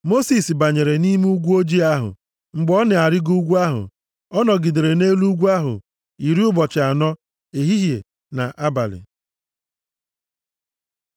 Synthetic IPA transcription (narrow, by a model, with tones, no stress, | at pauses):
mo˦si˨sba˨ɲe˨ɾe˨ni˦m˦u˦ɡʷu˦o˦d͡ʒi˦a˦ɦʊ̰˨ | ŋ͡m̩˨ɡ͡bɔ˦nɪ˨a˨ɾɪ˦ɡu˦ɡʷu˦a˦ɦʊ̰˨ | ɔ˦nɔ˨ɡɪ˨de˨ɾe˨ne˦lu˦ɡʷu˦a˦ɦʊ̰˨ | i˨ɾi˦ʊ˦bɔ˨t͡ʃɪ˨a˨nɔ˦ | e˨ɦi˦ɦjḛ˨ | na̰˨ʔa˦ba̰˨lɪ̰˨